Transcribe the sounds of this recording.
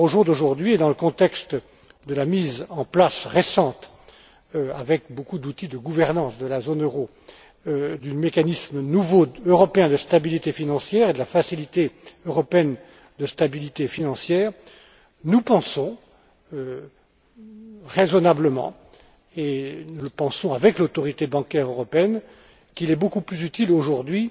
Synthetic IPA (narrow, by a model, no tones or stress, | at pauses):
oʒuʁd̪oʒuʁd̪ɥied̪ɑ̃ləkɔ̃t̪ɛkst̪ | d̪əlamizɑ̃plasʁesɑ̃t̪ | avɛkbokud̪ut̪id̪əɡuvɛʁnɑ̃sd̪əlazonøʁo | d̪ymekanismənuvoøʁɔpeɛ̃d̪əst̪abilit̪efinɑ̃sjɛʁed̪əlafasilit̪eøʁɔpeɛn | d̪əst̪abilit̪efinɑ̃sjɛːʁ | nupɑ̃sɔ̃ | ø | ʁezɔnabləmɑ̰̃ | enuləpɑ̃sɔ̃avɛklot̪ɔʁit̪ebɑ̃kʲɛʁøʁɔpeɛn | kilɛbokuplyzyt̪iloʒuʁd̪ɥi